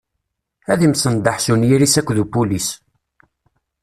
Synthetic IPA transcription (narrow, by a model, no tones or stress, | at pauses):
æðimsənd̪ɑħsunjiɾisækʷːðupulis